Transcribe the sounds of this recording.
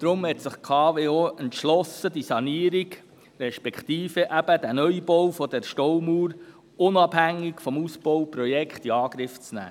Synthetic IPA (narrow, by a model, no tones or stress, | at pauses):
d̥ɾʊmhɛt̪sɪχkʰɑːveːoːʔɛntʃlɔsəd̪isɑniəɾiɡ | ɾɛʃpɛkχt̪iːfəʔæb̥əd̪ænœjbɔwfɔd̪ɛɾʃtɔwmuːɾ | ʊnɑb̥ɦæŋːikfɔmusb̥ɔwpɾɔjɛkχtiɑːɡ̥ɾɪft͡snæ̰ː